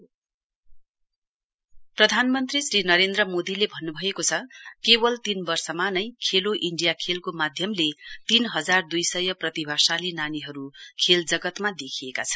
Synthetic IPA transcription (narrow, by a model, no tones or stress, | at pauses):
prʌd̪ʱanmʌnt̪risrinʌɾend̪rʌmod̪ilebʱʌnːubʱʌekot͡sʰʌkebʌlt̪inbʌrsʌmanʌjkʰeloʔiɳɖijakʰelkomad̪ʱjʌmlet̪inɦʌd͡zard̪ujsʌjʌprʌt̪ibʱasalinaniɦʌɾukʰeld͡zʌɡʌt̪mad̪ekʰiekat͡sʰʌ̥